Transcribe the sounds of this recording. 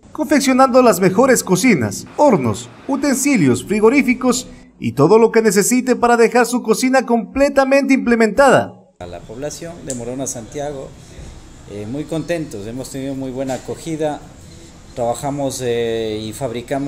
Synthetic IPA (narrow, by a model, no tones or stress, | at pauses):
ko̞ɱfeksjo̞nãnd̪o̞lazme̞xo̞ɾe̞sko̞sina̰soɾno̞̰s | ut̪e̞nsiljo̞sfɾiɣo̞ɾifiko̞s | ḭt̪o̞ðo̞lo̞ke̞ne̞s̬e̞sit̪e̞paɾaðe̞xaɾsuko̞sinako̞mple̞t̪amẽnt̪̬eimple̞mẽnt̪aða̰ | ala̰poβlasjo̞nd̪emoɾonasant̪jaɣo | emujko̞nt̪e̞nt̪ose̞most̪e̞niðomujβwe̞nakoxiða | t̪ɾaβaxamoseifaβɾikam